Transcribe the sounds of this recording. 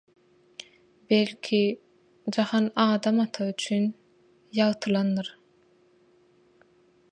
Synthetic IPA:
belʲkʲʰi | d͡ʒɑχɑnɑːd̪ɑmɑt̪ʰɑyt͡ʃʰyn | jɑʁt̪ʰɯlˠɑnːɯɾ

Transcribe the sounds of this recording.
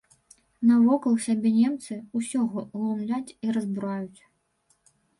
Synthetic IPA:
nɐvɔkɐlˠsʲabʲɛnʲɛmt̪sɨusʲɔɣɔlˠumlʲat͡sʲiɾɐzbuɾajut͡sʲ

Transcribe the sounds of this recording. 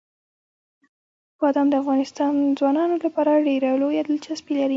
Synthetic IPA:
wɑd̪ɑmd̪əafɣɑnɪst̪ɑnzwɑnɑnolapɑɾaɖeɾalojad̪əlt͡ʃaspilaɾi

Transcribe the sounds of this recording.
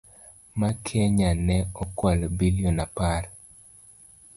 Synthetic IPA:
makʰjɛɲanɛɔkwalbiliɔnapaɾ

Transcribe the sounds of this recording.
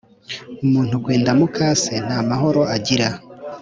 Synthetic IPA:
umuːn̥huɡweːndamukʰaːse̞n̥haːmaɦo̞ɾo̞aɟiɾa

